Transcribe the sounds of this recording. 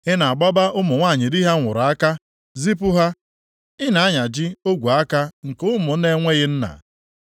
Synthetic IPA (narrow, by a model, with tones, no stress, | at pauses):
ɪ˦na˨a˨ɡ͡bɔ˦ba˦ʔʊ˦mʊ˨ŋʷa˦˨ɲɪ˨di˦ɦa˦ŋʷʊ˨ɾa˨a˦ka˦ | zi˦pʊ˦ɦa˦ | ɪ˦na˨a˦ɲa˨d͡ʒɪ˦o˦ɡʷu˨a˦ka˦ŋ̩˨kʊ˦mʊ˨˦ne˦ŋʷe˦ɣɪ˦n̩˦na̰˨